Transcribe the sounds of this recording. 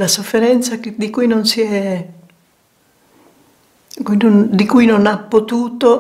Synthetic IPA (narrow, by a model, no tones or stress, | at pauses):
lasofːeɾɛnt̪saked̪ikujnonsiɛ | kujnond̪ikujnonapːot̪uːt̪o